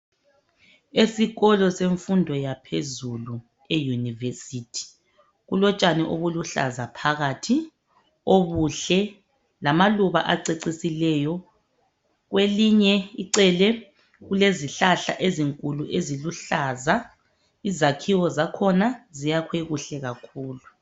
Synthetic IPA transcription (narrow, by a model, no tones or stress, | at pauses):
esiɣɔlɔseɱfundʱɔjapʰezulu | ejunivesitʰi̥ | ɣulɔt͡ʃʼanɛʔoβuluɬa̰zapʰaɣatʰi | oβuɬɛ | lamaluβa̰ʔaǀeǀisilɛjɔ | ɣweliɲɛiǀɛlɛ | ɣuleziɬaɬa̰ʔeziŋkʼuluʔeziluɬaza | izakʰiwɔzakʰɔnazijakʰweɣuɬɛɣakʰuːlu